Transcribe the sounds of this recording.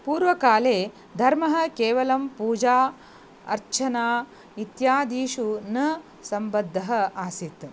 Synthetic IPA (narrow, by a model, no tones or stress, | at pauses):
puːɾʋɐkaːleː | d̪ʱɐɾmɐɦɐ̆keːʋɐlɐmpuːd͡ʒaː | ɐ̰ɾt͡ʃʰɐnaː | it̪jaːd̪iːʃunɐ | sɐmbɐd̪ʱːɐɦɐ̆aːsit̪